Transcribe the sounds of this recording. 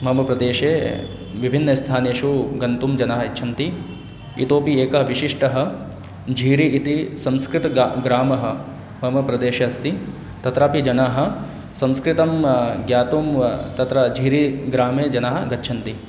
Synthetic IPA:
mɐɦɐmɐpɾɐd̪eːʃeː | ʋibʱinːɐst̪ʰaːneːʃuɡɐnt̪umd͡ʒɐnaːɦɐɐt͡ʃːt͡ʃʰɐnt̪i | ḭt̪oːpieːkɐɦɐʋiʃiʂʈɐɦɐ̆ | d͡ʒʱiːɾiʔit̪isɐ̃mskɾɪt̪ɐɡɾaːmɐɦɐ̆ | mɐɦɐmɐpɾɐd̪eːʃeɐst̪i | t̪ɐt̪ɾaːpid͡ʒɐnaːɦɐ̆ | sɐ̃mskɾit̪ɐmɡjaːt̪umt̪ɐt̪ɾɐd͡ʒʱiːɾiɡɾaːmeːd͡ʒɐnaːɦɐɡɐtːʃʰɐnt̪i

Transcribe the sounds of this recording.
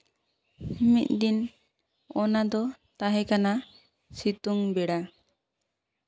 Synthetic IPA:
mit̪̚d̪in | ɔnad̪ɔt̪aɦɛkana | sit̪uŋbɛɽa

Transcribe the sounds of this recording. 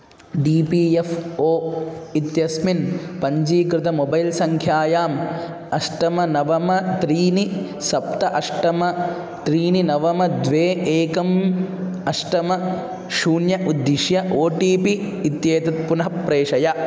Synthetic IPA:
ɖiːpiːefoːit̪jɐsminpɐɲd͡ʒiːkɾɪt̪ʰɐmobɐjlsɐŋkʰjaːjaːm | ɐʂʈɐmɐnɐʋɐmɐt̪ɾiːni | sɐpt̪ɐʔɐʂʈɐmɐ | t̪ɾiːninɐʋɐmɐd̪ʋeːʔeːkɐm | ɐʂʈɐmɐ | ʃuːnjɐʔud̪ːiʃjɐʔoːʈiːpiː | t̪jeːt̪ɐt̪̚punɐɦɐpɾeːʂɐjɐ

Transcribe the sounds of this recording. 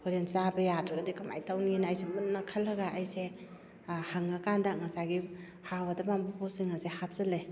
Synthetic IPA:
hoɾensabɐjadɾɐɡɐdikɐma̰jtawninajsemut̚ːɐkʰalːɐɡaʔajse | haŋːakandak̚ŋɐsaɡi | hawɐdɐmambupʰɔsiŋasehap̚zɐlej

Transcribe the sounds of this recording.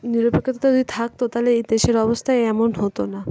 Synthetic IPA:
niɾopekʰːit̪at̪ad̪it̪ʰak̚t̪ot̪aɦleed̪eʃeɾɔbost̪ʰaeɛmonɦot̪ona

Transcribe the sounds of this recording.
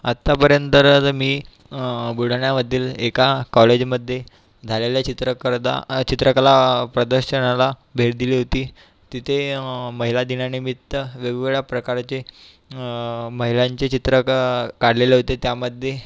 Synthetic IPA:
at̪ːapəɾjənt̪əɾət̪miː | buɽ̤ɳjaməd̪ʱːiːlekakɔled͡ʑməd̪ʱːje | d͡zʱaleljat͡ɕit̪ɾəkəɾd̪a̰t͡ɕit̪ɾəkəlapɾəd̪əɾɕənalabʱeɽd̪iliɦot̪iː | t̪it̪ʰeməɦilad̪inanimit̪ːəʋjəɡʋeɭjapɾəkaɾt͡ɕe | məɦilaɲt͡ɕet͡ɕit̪ɾəkaɽ̤leleɦot̪et̪jaməd̪ʱːje

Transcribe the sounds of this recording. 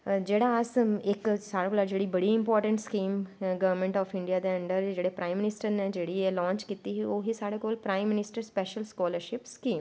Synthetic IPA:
d͡ʒeːɽaəsɪksaːɽekːlad͡ʒeːɽibɐɽiɪ̃mpɔːɾʈə̃ɳʈskiːmɡɐʋəɾmẽɳʈɔːfɪ̃ɳɖijad̪eə̃ɳɖəɾd͡ʒeːɽepɾʔaːɪ̃mːɪnɪsʈəɾned͡ʒeːɽielɔ̃ːɲt͡ʃkiːt̪iɦoːɦisaːɽekoːlpɾaːɪmːɪnɪsʈəɾspɛːʃəlskɔːləɾʃɪpskiːm

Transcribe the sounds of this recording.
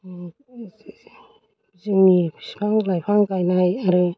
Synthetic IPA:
ziŋmispʰaŋlajpʰaŋkajnajaɾɯ

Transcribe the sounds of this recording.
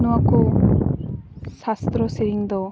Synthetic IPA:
nuaku | sast̪ɾɔseɾiŋd̪ɔ

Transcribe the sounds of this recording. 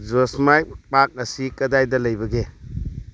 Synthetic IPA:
zosmajpak̚ɐsikɐdajdɐlɐjbɐɡe

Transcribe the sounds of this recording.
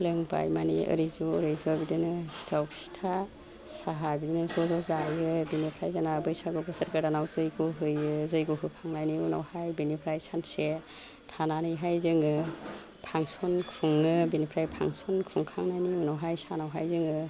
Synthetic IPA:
lɯŋba̰jmaniɯ̰ɾizuɾɯjzuabidinɯsi̥tʰawʰsi̥tʰa | saɦabidinɯzɔzɔzajɯbinipʰɾajzanabɯjsaɡɔbɯsəɾkaɾdanawzɯjɡuɦɯjɯzɯjɡuɦɯpʰaŋnajniuna̰whajbinipʰɾajsanse | tʰananɯjɦajzɯŋɯ | pʰaŋsɔnkʰuŋɯbinipʰɾajpʰa̰ŋsɔnkʰuŋkʰaŋnajniunawɦajsanawɦajzɯŋɯ

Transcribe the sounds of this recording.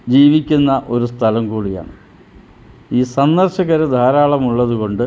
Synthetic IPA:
d͡ʑiːʋikʲːunːɐʔo̞ɾust̪ʰɐlɐmkuːɽija̰ːɳɨ | iːsɐnd̪ɐrɕɐɣɐɾud̪ʱaːɾaːɭɐmuɭːɐðuko̞ɳɖɨ

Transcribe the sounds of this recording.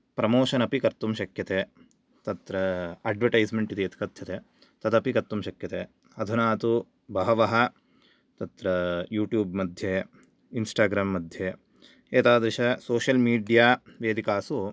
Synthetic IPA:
pɾɐmoːʃɐnɐpikɐɾt̪umʃɐkjɐt̪eː | t̪ɐt̪ɾɐaːɖʋɐʈɐjsmeɳʈit̪eːt̪i̥kɐd̪ʱjɐt̪eː | t̪ɐd̪ɐpikɐɾt̪ːumʃɐkjɐt̪eː | ɐd̪ʱunaːt̪u | bʱɐɦɐʋɐɦɐ | t̪ɐt̪ɾɐjuːʈjuːbmɐd̪ʱje | insʈaːɡɾaːmːɐd̪ʱje | eːt̪aːd̪ɾiʃɐsoːʃɐlmiːɖijaːʋeːd̪ikaːsu

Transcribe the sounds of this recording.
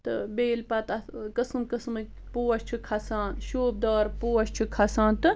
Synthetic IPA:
t̪ɨ̰beːlpɐt̪ɐkɐsɨmkɐsmɨ | poːɐʃt͡ʃʰukʰɐsaːnʃoːb̚d̪ɐːɾpoːɐʃt͡ʃʰukʰɐsaːnt̪ɨ

